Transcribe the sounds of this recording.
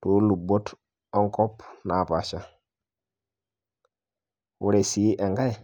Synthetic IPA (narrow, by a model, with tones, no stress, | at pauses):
to˦lu˨bo˦t | o˦ŋko˦pna˨pa˨ʃa˦ | wu˦ɾe˨si˨˦ʔe˨ŋɡa˦j